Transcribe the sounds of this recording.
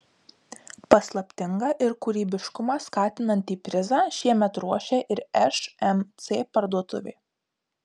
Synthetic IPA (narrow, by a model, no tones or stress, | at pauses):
pɐslˠɐpʲt̪ʲɪŋɡɑːʔɪɾkuːɾʲiːbʲɪʃkʊmɑskɑːt̪ʲɪnɐnʲt̪ʲiːpʲɾʲɪzɑːʃʲiɛmʲɛt̪ɾuɔʃʲeːʔɪɾɛʃɛmt̪sʲeːpɐɾd̪uɔt̪ʊʋʲḛː